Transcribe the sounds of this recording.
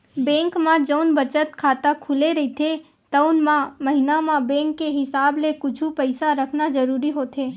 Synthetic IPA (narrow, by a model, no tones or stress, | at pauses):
bɛ̃ːŋkmãd͡ʒəʊnbət͡ʃət̪kʰaːt̪akʰʊleɾɐɦit̪ʰe | t̪əʊnmãmɐɦɪnamãbɛ̃ːŋkːeɦɪsaːblekʊt͡ʃʰupəɪsaɾəkʰnad͡ʒəɾuːɾiɦoːt̪eː